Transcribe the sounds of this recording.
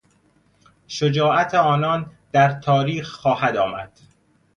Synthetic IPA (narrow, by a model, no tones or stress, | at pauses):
ʃod͡ʒɒːʔæt̪ʰeɒːnɒːnd̪̥æɾt̪ʰɒːɾiːxxɒːhæd̪ɒːmæ̰d̪̥